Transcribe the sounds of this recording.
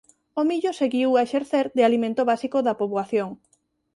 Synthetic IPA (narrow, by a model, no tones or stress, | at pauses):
omiʎoseɣiwaeʃeɾθeɾd̪ɪalimẽnt̪oβasikoðɐpoβwaθjoŋ